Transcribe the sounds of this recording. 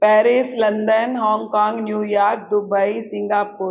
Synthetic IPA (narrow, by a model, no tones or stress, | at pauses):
pɛːɾɪslɐ̃nd̪ənɦɔ̃ːŋɡkaːŋɡnjuːjaːk̚d̪ʊbəisɪ̃ŋɡaːpuːɾ